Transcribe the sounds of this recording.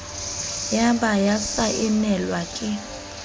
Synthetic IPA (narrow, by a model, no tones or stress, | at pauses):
jaɓajasaʔɛnɛlwakʼɪ